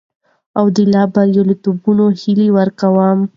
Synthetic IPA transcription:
awd̪əlɑbaɾjolot̪ubunohiliwəɾkawam

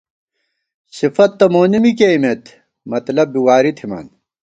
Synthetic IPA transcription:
sifɐt̪ːɐmoːnimikejmet̪ʰ | mɐt̪lɐbbiwaːɾit̪ʰima̰ːn

